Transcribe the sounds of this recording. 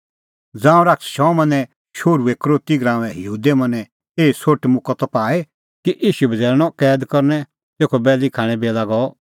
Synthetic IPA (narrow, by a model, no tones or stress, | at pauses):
d͡zãːũɾaksʃɔ̃mɐ̃nɛ̃ | ʃoːɾueːkɾoːt̪iɡɾãːʋɛ̃ɦəɦuːd̪emɐ̃nɛ̃ | eːisoʈmʊkɔt̪ɔpaːe | kiʔiːʃubʱɐd͡zɛːɾñɔkɛːd̪kɔɾnɛ̃ | t̪eːkʰɔbɛːlikʰaːɽ̃ɛ̃beːlaɡɔ